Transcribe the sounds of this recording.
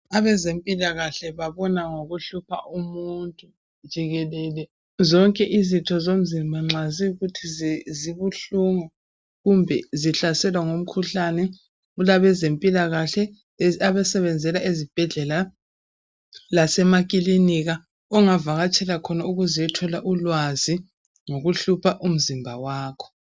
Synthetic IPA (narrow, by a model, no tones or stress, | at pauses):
aβɛzempʼilaɣaɬɛβaβɔnaŋoɣuɬupʰaʔumuntʼu | d͡ʒ̥ʱiɣɛlɛlɛ | zɔŋkʼɛʔizitʰɔzom̩zimbʱaŋ͡ǁaziuɣutʰizziβuɬuŋɔ | ɣumbʱɛziɬasɛlwaŋom̩kʰuɬanɛ | ɣulaβɛzempʼilaɣaɬɛ | aβɛsɛβɛnd͡zʱɛlaʔezib̥ʱɛɮɛla | lasɛmakʼiliniɣa | ɔŋavaɣat͡ʃʼʰɛlakʰɔnauɣuziɛtʰɔlaʔulwazi | ŋoɣuɬupʰaʔum̩zimbʱawaːkʰɔ̥